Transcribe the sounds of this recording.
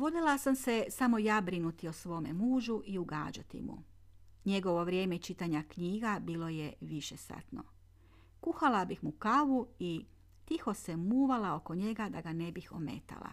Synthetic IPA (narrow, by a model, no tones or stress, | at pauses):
ʋo̞d̪elˠasamse̞samo̞jaːbɾinut̪iosʋo̞ːme̞muːʒuʔiuɡa̰ːd͡ʒat̪ḭmṵ | ɲe̞ɡo̞ʋo̞ʋɾʲje̞ːmeit͡ʃit̪aɲakɲiːɡabiːlo̞jeʋiʃesa̰t̪no̞̰ | kuxalabixmukaʋui | t̪ixo̞semuːʋalao̞ko̞ɲe̞ɡad̪aɡane̞bixo̞̰me̞̰t̪a̰lˠa̰